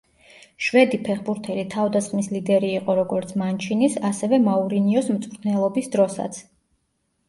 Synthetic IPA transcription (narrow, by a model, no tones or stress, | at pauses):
ʃwɛd̪ipʰɛχbuɾt̪ʰɛlit̪ʰavd̪asχmislid̪ɛɾiːqʼɔɾɔɡɔɾt̪sʰmant͡ʃʰinisasɛvɛmauɾiniɔsmt̪sʼʰnɛlˠɔbisd̪ɾɔsa̰t̪sʰ